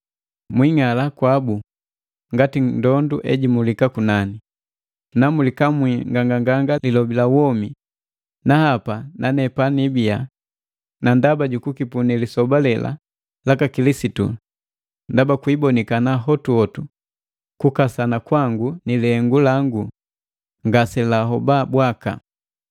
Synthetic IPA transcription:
mwiŋalakwabu | ŋɡatindɔnduʔɛɟimulikakunani | namulikamwiŋɡaŋɡaŋɡaŋɡalilɔbilawɔmi | nahapananɛpanibia | nandabaɟukukipunilisɔbalɛlʔa̰ | lakakilisitṵ | ndabakwibɔnikanaɦɔtuɔtu | kukasanakwaŋɡunilɛŋɡulaŋɡu | ŋɡasɛlaɦɔbabwaka̰

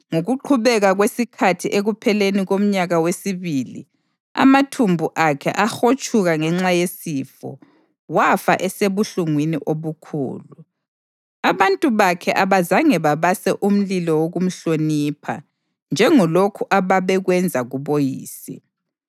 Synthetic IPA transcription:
ŋoɣuǃʰuβɛɣaɣwesikʰatʰiʔeɣupʰɛleniɣom̩ɲaɣawesiβilḭ | a̰matʰumbʱuʔakʰɛ̰ʔaxot͡ʃʼʰuɣaŋɛŋ͡ǁajesifɔ̰ | wafa̰ʔɛseβuɬuŋwinḭʔoβukʰṵːlu | aβantʼuβakʰɛʔaβazaŋɛβaβasɛʔum̩lilɔwoɣum̩ɬonipʰa̰ | nd͡ʒʱɛŋɔlokʰuʔaβaβɛɣwɛnd͡zʱaɣuβojḭːsḭ

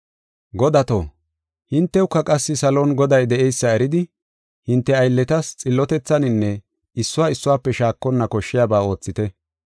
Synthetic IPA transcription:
ɡɔd̪ɐt̪o̰ː | hɪnt̪ːɛʊkːɐkʼɐsːɪsɐlo̞ːnɡɔd̪ɐjd̪ɛɛjsːɐɛɾɪd̪ɪ | hɪnt̪ːɛɐjlːɛt̪ɐst͡sʼɪlːɔt̪ɛt͡sːɐnɪnːɛ | ɪsːʊwaːɪsːʊwaːpːɛʃaːkːɔnːɐkɔʃːɪjaːbaːo̞ːt͡sːɪt̪ɛ

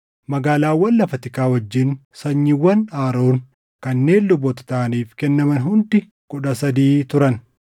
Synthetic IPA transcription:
mɐɡaːlaːwːɐlːɐfɐt̪ɪkaːwɐd͡ʒːɪnsɐɲːɪwːɐnaːɾo̞ːn | kɐnːe̞ːnlʊbɔt̪ɐ̥t̪aːniːfkɛnːɐmɐnɦʊnd̪ɪ | kʼʊᶑɐsɐd̪iːt̪ʊɾɐn

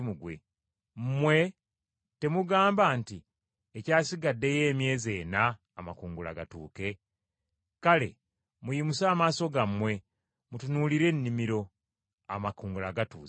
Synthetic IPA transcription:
muɡwe̞̰ | m̩mwe̞ | te̞muɡaːmbaːnti | ecaːsiɡadːe̞je̞ːmje̞ːze̞ːnaː | makuːŋɡula̰ɡatuːke̞ | kale̞̰ | mujimusaːmaːso̞ɡamːwe̞ | mutunuːliɾe̞nːimiɾo̞ | a̰makuːŋɡulaɡatṵː

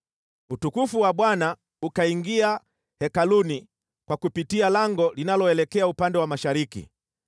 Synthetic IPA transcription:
utukufuwaɓwana | ukaiŋɡia | hɛkaluni | kwakupitialaŋɡɔlinalɔɛlɛkɛaupandɛwamaʃaɾikḭ

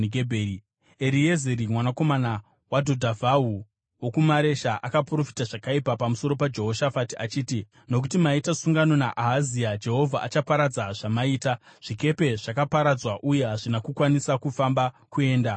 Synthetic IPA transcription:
ɡebʱei | eɾiezeɾimwanako̞mana | wadʱo̞dʱavaɦu | wo̞kumaɾe̞ʃaʔakapuro̞fi̥taʐakaipapamuso̞ɾo̞pad͡ʒe̞ɦo̞ʃafatiat͡ʃiːti | no̞k̬utimaitasuŋɡano̞naʔaɦaziad͡ʒe̞ɦo̞vʱa̰ʔat͡ʃapaɾad͡zaʐ̥amaiːtaʐ̥ike̞pe̞ʐakapaɾad͡zwaʔuje̞ɦaʐinakukwanisakufamba | kue̞ːnda

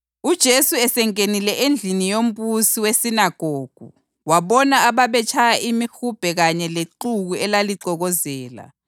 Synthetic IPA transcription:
ud̥ʒ̥ʱesuɛsɛŋʼenilɛʔend͡ɮʱinijom̩busiwesinaɡ̥ʱoːɡ̥ʱṵ | waβɔnaaβaβɛt͡ʃʰajaʔimixub̥ʱɛɣaɲɛleǃuɣuɛlaliǀɔɣɔzɛːla̰

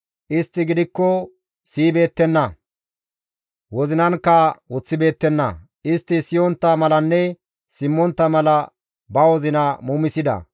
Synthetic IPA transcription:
ʔɪst̪ːɪɡɪd̪ɪkːɔ | siːbe̞ːt̪ːɛnːɐ | wɔzɪnɐnkːɐwʊt͡sːɪbe̞ːt̪ːɛnːɐ̰ | ʔɪst̪ːɪsɪjɔnt̪ːɐmɐlɐnːɛ | sɪmːɔnt̪ːɐmɐlɐ | bɐwɔzɪnɐmumɪsɪd̪ɐ̰

